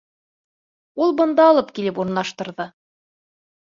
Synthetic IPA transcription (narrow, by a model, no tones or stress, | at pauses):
ulˠbɤ̆nd̪ɑːlˠɤpkilɘpuɾɤ̆nlˠɑʃt̪ɤ̆ɾðɤ